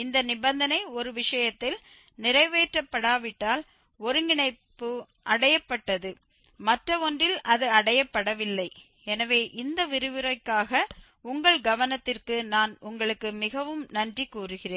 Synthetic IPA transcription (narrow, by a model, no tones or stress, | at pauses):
ɪnd̪ɐnɪbɐnd̪ɐnɐɪɔɾɯʋɪʂɐjɐt̪ːɪl | nɪrɐɪʋeːʈrɐpːɐɽaːʋɪʈːaːl | ɔɾɯnɪɳɐɪpːɯ | ʔɐɽɐjɐpːɐʈːɐðɯ | mɐʈrɐɔndrɪlɐðɯɐɽɐjɐpːɐɽɐʋɪlːɐɪ | ɛnɐʋeːʔɪnd̪ɐʋɪɾɯʋɯɾɐɪkːaːɣɐ | ʊŋɡɐɭɡɐʋɐnɐt̪ːɪrkɯnaːnʊŋɡɐɭɯkːɯmɪɣɐʋɯmnɐndrikːuːrɯɣɪreːn